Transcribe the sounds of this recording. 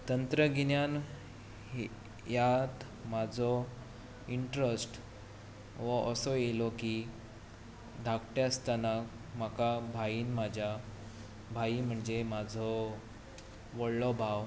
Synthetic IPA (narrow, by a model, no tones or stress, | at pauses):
t̪ənt̪ɾəɡinjan | ɦ | jat̪ | mad͡zʱɔ | iɳʈɾəsʈ | ʋəʔəsɔjelɔki | d̪ʱakʈeəst̪ana | makabʱaiːnmad͡ʑʱja | bʱaim̤əɳd͡zemad͡zʱɔ | ʋɔɽlɔbʱaʋ